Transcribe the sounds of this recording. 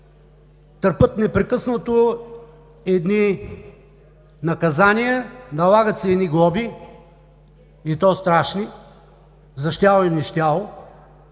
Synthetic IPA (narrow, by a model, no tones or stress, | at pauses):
t̪əɾpɤt̪nɛpɾɛkɤsnət̪o | ɛd̪ni | nɐkɐzanijɐnɐlˠaɡət̪sɛɛd̪niɡlˠɔbi | it̪ɔst̪ɾaʃni | zɐʃt̪ʲalˠoɛnʲiʃt̪ʲjalˠo